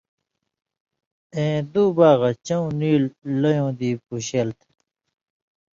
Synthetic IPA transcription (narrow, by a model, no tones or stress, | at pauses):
ẽːd̪uːbaːɣɐt͡ɕɐũniːlːɐjõːd̪iːpuɕelt̪ʰ